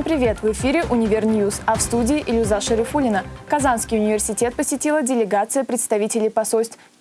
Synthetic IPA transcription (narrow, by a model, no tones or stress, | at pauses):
mpɾʲɪvʲe̞t̪vɨfʲiɾʲɪʔʊnʲɪvʲɪrnʲjusɐfst̪udʲɪːʔɪlʲʊzaʂəɾʲɪfulʲɪnəkɐzanskʲɪjʊnʲɪvʲɪrsʲɪtʲe̞t̪̚pəsʲɪtʲilˠədʲɪlʲɪɡat̪sɨjəpɾʲɪt̪st̪ɐvʲitʲɪlʲɪjpɐsolʲst̪